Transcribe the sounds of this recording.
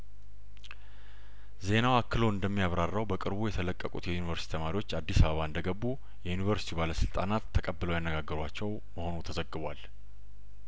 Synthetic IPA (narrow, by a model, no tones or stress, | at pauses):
ze̞nawakːɨlo̞ɨnd̪əmːijaβɾarːəwbəkʼɨɾbujɛt̪ʰələkʼːəkʼṵt̪jɛjunivəɾst̪i̥t̪ʰəmaɾiwo̞t͡ʃːad̪ːisaβəβaɨnd̪əɡəbːu | jɛjunivəɾsi̥t̪ʰibaləsɨlt̪ʼanat̪ʰːəkʼəbːɨləwjanːəɡaɡːəɾwat͡ʃːɛw | məho̞nut̪ʰəzəɡːɨβal